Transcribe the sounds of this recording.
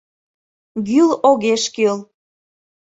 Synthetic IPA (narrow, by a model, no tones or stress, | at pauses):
ɡyloɣeʃkøl